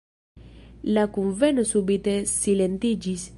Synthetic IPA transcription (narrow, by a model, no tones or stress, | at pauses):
lakuɱvenosubit̪essilent̪id͡ʒis